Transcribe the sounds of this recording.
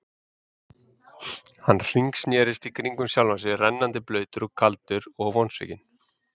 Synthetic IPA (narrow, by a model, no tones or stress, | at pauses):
hanːr̥iŋksnjɛːɾɪst̪ikʰɾiŋkʏmsjawlvasɪrɛnːant̪ɪplœːɥt̪ʏɾɔkʰalt̪ʏɾɔɣvɔnsvɪ̰cɪn̥